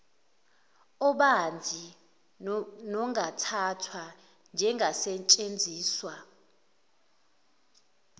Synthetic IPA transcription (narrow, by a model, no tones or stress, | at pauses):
ɔɓand͡zʱi | nɔŋʱatʰatʰwa | nd͡ʒʱɛŋʱasɛt͡ʃʼend͡zʱiːswa